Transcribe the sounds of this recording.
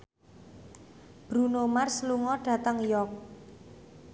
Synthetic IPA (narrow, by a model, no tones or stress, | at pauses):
b̥ɾunomarsluŋɔɖ̥ä̤t̪əŋjɔk̚